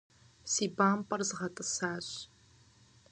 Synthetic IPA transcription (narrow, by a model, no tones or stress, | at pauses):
siːbaːmpʼɐrzɨʁɐtʼɨsaːɕ